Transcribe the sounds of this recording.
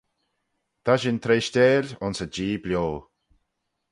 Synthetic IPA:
t̪ʰaʃɪnt̪ʰɾeːʃteːlʲʊnsəd͡ʒiːblʲjoː

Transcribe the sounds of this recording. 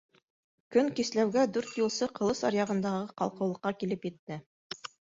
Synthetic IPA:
kɵŋkislæwɡæd̪ʉɾt̪jŭlˠsɤqʰɤ̆lˠɤsɑ̰ɾjɑʁɤ̆nd̪ɑʁɤqɑ̰lˠqɤ̆wlˠɤ̆qːɑkilɘpjɘ̆t̪ːɘ

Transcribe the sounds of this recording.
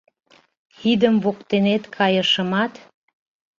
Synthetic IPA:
xid̪əmvokt̪enet̪kʰɑjəʃə̆mɑt̪

